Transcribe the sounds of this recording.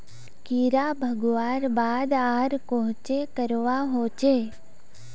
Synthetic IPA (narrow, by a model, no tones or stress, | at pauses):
kiɾabʱəɡʋaːɾbaːd̪aːɾkoɦt͡ʃekəɾʋaɦoːt͡ʃeː